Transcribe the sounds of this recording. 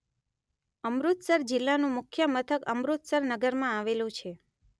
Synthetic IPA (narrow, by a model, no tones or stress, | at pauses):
əmɾut̪səɾd͡ʒɪlːanũmʊkʰjəmət̪ʰəkəmɾut̪səɾnəɡəɾmãaʋelũt͡ʃʰe